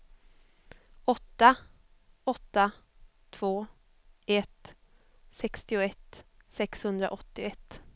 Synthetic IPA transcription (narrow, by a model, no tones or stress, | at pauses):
ɔt̪ːa | ɔt̪ːa | t̪ʰv̥oː | ɛt̪ | sɛkst̪ɪʊɛt̪ | sɛkshɵnd̪ɾa̰ʔɔt̪ːɪɛt̪ː